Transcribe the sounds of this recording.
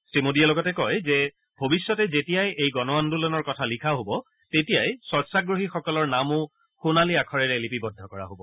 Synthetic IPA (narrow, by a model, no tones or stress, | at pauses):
sɹimodijalɔɡɔtɛkɔjzɛ | bʱobisːɔtɛzetijajejɡɔnɔwandulɔnɔɹkɔtʰalikʰaɦobɔ | tetijajsɔɹsaɡɹoɦixɔkɔlɔɹnamʊ | xunaliakʰɔɹɛɹɛlipibɔdʱɔkɔɹa̰ɦobɔ